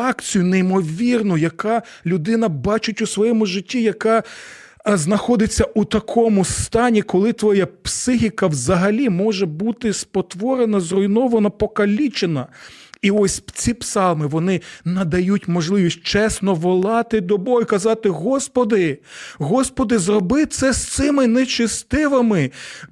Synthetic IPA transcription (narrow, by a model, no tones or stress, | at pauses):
ɑkt͡sʲijʊneimɔʋʲirnʊjɐkɑlʲʊd̪ɪnɐbɑt͡ʃʊtʲʊsʋɔjɛmʊʒɪtʲːijɐkɑ | znɐxɔd̪ɪt͡sʲːɐʔut̪ɐkʰɔmʊst̪ɑnʲikɔlˠɪt̪ʋɔjapsɪɦʲikɐwzɐɦɐlʲimɔʒɛbut̪ɪspɔt̪ʋɔɾenɐzrɔjnɔʋɐnɐpɔkɐlʲit͡ʃenɐiɔsʲt͡sʲipsɑlˠmɪʋɔnɪnɐd̪ɐjutʲmɔʒlˠɪʋʲisʲt̚ʲt͡ʃɛsnɔʋɔlˠɑt̪ɪd̪ɔbɔjʊkɐzɑt̪ɪɦɔspɔd̪ɪɦɔspɔd̪ɪzrɔbɪt̪sɛst̪sɪmɪnet͡ʃɪst̪ɪʋemɪ